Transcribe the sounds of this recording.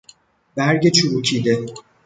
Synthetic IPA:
bæɾɟet͡ʃʰuɾuːcʰiːd̪e

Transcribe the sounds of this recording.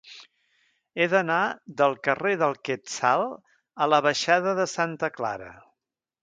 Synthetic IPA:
eðənaðəlˠkəreðəlˠkɛt̪salˠ | ələβəʃaðəðəsant̪əkla̰ɾə̰

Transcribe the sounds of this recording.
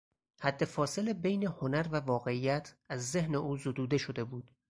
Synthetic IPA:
hæd̪ːe̞fɒːse̞lebejneho̞næɾvævɒːɣe̞ijæt̪ʰæzːehne̞ʔuːzod̪uːd̪e̞ʃo̞d̪e̞buːd̪̥

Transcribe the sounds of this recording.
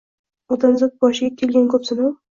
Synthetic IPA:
ot̪ʰanzɪk̚bɒʃɪɡʲakʲʰe̞lˠɡʲankʰɵpsɪnaw

